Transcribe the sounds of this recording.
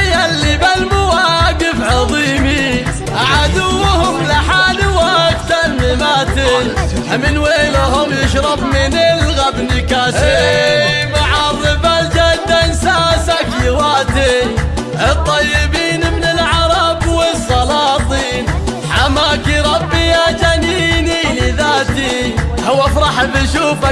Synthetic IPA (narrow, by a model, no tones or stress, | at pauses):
jalːibalmʊwaɡɪfʕɑðˤiːmi | ʔaʕad̪ʊwːhʊmlaħaːdwakt̪anɪmaːt̪ɪn | amɪnweːlhʊmjɪʃɾˤɑbmɪnɪlɣabnɪkaːhe | maʕɑɾˤɨbald͡ʒad̪ansaːsakjɪwaːt̪i | ʔɪt̪ˤːɑjːɪbiːnmnɪlʕɑɾˤɑbwɪsˤːɑlɑːt̪ˤiːn | ħamaːkiɾˤɑbːijad͡ʒaniːnilɪðaːt̪i | hʊwːafɾˤɑħbɪʃuːfa